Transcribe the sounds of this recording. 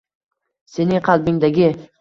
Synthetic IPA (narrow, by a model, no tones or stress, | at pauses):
se̞nɪŋqʰɑlˠbɪŋd̪aɡʲɪ